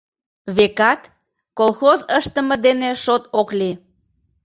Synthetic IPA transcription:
βekɑt̪ | kolˠxozəʃt̪əməd̪eneʃot̪okli

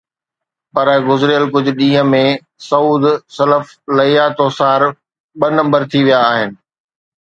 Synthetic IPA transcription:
pɐɾɡʊzɪɾɪjəlkʊd͡ʑʱʊ̆ɗĩːɦə̃̆mẽ | sɐuːd̪sɐləf | lɐiaːt̪oːsaːɾ | ɓɐnɐ̃mbəɾt̪ʰiʋijaːɦɪnɪ̆

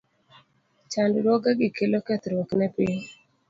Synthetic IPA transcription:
t͡ʃandɾwoɡaɡɪkelokɛt̪ɾwɔknɛpɪɲ

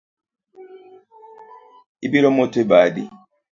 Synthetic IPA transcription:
ibiɾomotebadḭ

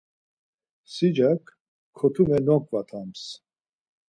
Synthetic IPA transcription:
sid͡ʒakʰ | kʰːɔt̪ʰumɛnɔŋkʼvat̪ʰams

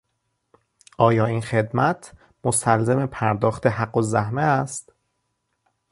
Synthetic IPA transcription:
ʔɒːjɒːiːnxe̞d̪mæt̪ʰ | most̪ælzemepʰæɾd̪ɒːxt̪ʰe̞ɦæɢːozæhmeæst̪

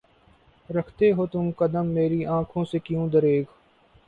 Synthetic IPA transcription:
ɾɐkʰt̪eɦoːt̪ʊmkɐd̪əmːeːɾiʔãːkʰõsekijũd̪əɾeːɡ

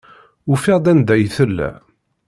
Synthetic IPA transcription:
ʊfɪʁd̪ænd̪æjθəlːæ̰

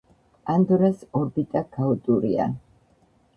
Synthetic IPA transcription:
and̪ɔɾasɔɾbit̪ʼaɡ̥aut̪ʼuɾḭa̰

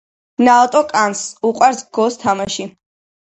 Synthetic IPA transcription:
nat̪ʼɔkʼansuqʼwaɾsɡɔst̪ʰamaʃi

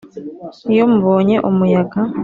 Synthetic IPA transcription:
jomuβoːɲe̞ʔomujaɡa

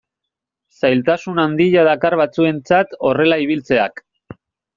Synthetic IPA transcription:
sajlt̪asunand̪iʎaðakaɾβat͡sue̞nt͡sat̪o̞re̞laiβ̞ilt͡se̞a̰k

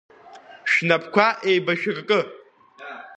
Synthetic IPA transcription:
ʃᶣnapʰkʷʰaʔejbaʃᶣɪrkʼɨ

